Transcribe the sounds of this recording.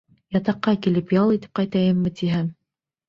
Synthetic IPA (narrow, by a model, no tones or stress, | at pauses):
jɑt̪ɑqːɑkilɘpjɑlˠit̪ɘ̥p̚qɑjt̪ɑjɤmːɘt̪iɦæm